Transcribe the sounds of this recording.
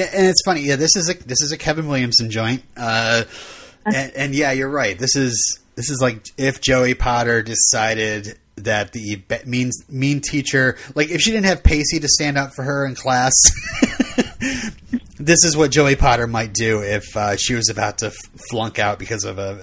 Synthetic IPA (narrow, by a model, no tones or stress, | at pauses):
ʔɨ̃nɨtsfʌñijæðɪsɨzɨðɪsɨzɨkʰɛvɨ̃nwɪlˠjɨ̃mzɨ̃n̩d͡ʒɔ̃ɪ̃nt̚ʌ | ɨ̃ɨ̃njæjə˞ɹaɪt̪̚ðɪsɪzðɪsɨzlaɪk̚ɪfd̥ʒ̥oʊipʰɑɾə˞dɨsaɪɾɪd̪̚ | ðɨt̪̚ðibɛt̚mĩnzmĩntʰit͡ʃə˞laɪkɨfʃidɪdⁿn̩thɨv̥pʰeɪsiɾɨstæ̃ndʌpfə˞ə˞ɨ̃nkʰl̥æs | ðɪsɨzwʌt̚d̥ʒoʊipʰɑɾə˞maɪt̚d̥ʉɪfʌʃiwʌzɨbaʊtʰɨ | flʌ̃ŋkaʊt̚b̥ɨkʰʌzʌvə